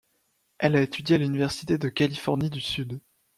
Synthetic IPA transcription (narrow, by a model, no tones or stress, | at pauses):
ɛlaet̪ʰyd̪jealynivɛʁsi̥t̪ed̪əkʲalifɔʁnid̪ysyd̪